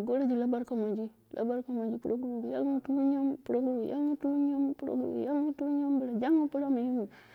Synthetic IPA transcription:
ɡo˦la˦d͡ʒi˨la˦ba˦ɾka˨ma˨d͡ʒi˦ | lʔa̰˦ba˦ɾka˨ma˨d͡ʒi˦pu˦ɾo˦ɡu˦ɾu˨ja̰˦ŋu˦tu˦ɲa˦mpu˨ɾo˦ɡɾu˨jʔa̰˦ŋu˦tu˦ɲo˦m˦pu˨ɾo̰˦ɡṵ˨ja˦ŋu˦tu˦ɲo˦mbə˨la˨d͡ʒa˦ŋu˦pu˦la˦mu˨ju˦mu˨

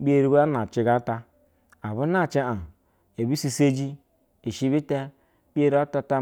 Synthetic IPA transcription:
bi˦e˦ɾi˦ba˦na˨t͡ʃi˨˦ɡa˦ta˦ | a˨βu˦na˦˨t͡ʃi˦a˨ | e˨bi˦si˦se˦d͡ʒi˦ | e˨ʃi˦βi˦te˦ | bi˦e˦ɾa˦ta˦ta˦

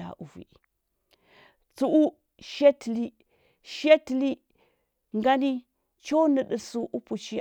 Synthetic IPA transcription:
a̰˨ʔu˨vḭ˨ | t͡su˨ʔu˦ | ʃe˦tli˦ | ʃe˦tli˦ | ŋɡa˦ni˦ | t͡ʃo˦nə˨ɗə˨su˦ʔu˦pu˨t͡ʃi˦

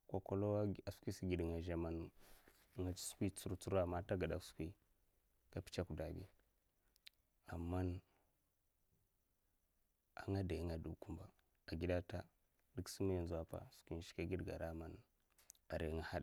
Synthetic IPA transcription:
kʷa˨ko˨lo˦a˨skʷi˦si˨ɡi˨ɗŋa˨ʒa˨ma˨n˨ | ŋḁ˨˦su̥˦kʷi˦t͡su˦ɾu˦t͡su˦ɾa˦˨ma˦ta˦ɡa˨da˦ksu̥˨kʷi˦ | ka˦pi̥˦t͡ʃa˦ku˨da˨ɡḭ˦ | a˨mːa˦n | a̰˨ŋa˦da˨ji˦ŋa˨du˦ku˦mba˨ | a˨ɡi˦ɗa˦ta˦ | di˦ksu˦ma˦jnzu˨a˦pa̰˨su̥˨kʷi˦ʃi̥˦ka˦ɡi˦dɡa̰˨ɾa˦ma˨n | a˨ɾe˨˦ŋa˨ha˦ɗ

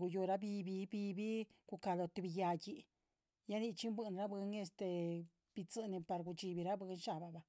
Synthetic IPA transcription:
u˧jo˧ɾa˦bi˧bi˧bi˧bi˦ɡ̥u˧ka˧lo˧t̪i˧bi˧ja˧ji˧ | ja˦ni˧t͡ʃi˦mbɨ˧nɾa˦bɨ˧ŋe˧st̪e˧ | b̥i˧t͡sɨ˧ni˧pa˧ɾɡu˧t͡ʃi˧bi˧ɾa˦bɨ˧˦nʃa˧˨ba˨ba˧

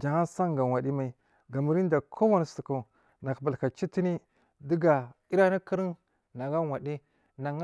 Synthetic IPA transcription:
d͡ʒa˨ŋa˦sa˦ŋɡa˨wa˨di˦ma˨i˨ | ɡa˨mə˨˦ɾi˦n˦da˨kʰo˦wa˦n˨sə˨ku˨ | na˨kba˨lka˨t͡ʃi˦ti˦ni˦ | di˦ɡa˨i˦ɾa˦ni˦kə˦ɾi˦n | na˨ɡa˦wa˨di˦ | na˨ŋ˦

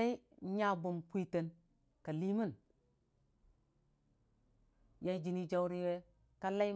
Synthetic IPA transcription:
a˦i˦ɲa˦bu˨mpʷi˦te˨n | ka˨li˦mə˦n | ja˦d͡ʒi˦ni˦d͡ʒa˦wɾi˦we˦ | ka˦la˦

